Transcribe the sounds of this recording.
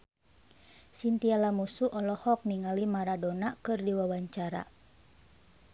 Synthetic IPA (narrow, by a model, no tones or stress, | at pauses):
sint̪ialamusuʔɔlɔhɔk̚niŋalimaɾadonakɨrdiwawaɲt͡ʃaɾa̰